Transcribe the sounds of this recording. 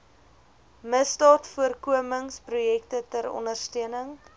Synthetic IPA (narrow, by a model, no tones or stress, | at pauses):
məstɑːtfuərkuəməŋsprujɛktətəɾɔ̰ndərstyənəŋ